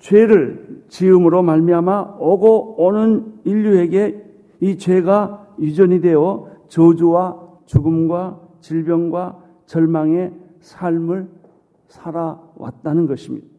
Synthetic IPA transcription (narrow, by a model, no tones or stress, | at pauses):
t͡ɕweɾɯɭt͡ɕiɯmɯɾomaɭmiɦamaʌɡoːnɯniʎːue̞ɡe̞ | it͡ɕwe̞ɡa | jid͡ʑʌɲidwe̞ʌt͡ɕʌd͡ʑuwa | t͡ɕuɡɯmɡwat͡ɕiɭbjʌnɡwa | t͡ɕʌɭmaŋe̞ | sʰaɭmɯɭ | sʰaɾawa̰t̚t͈anɯnɡʌɕʰimɲḭda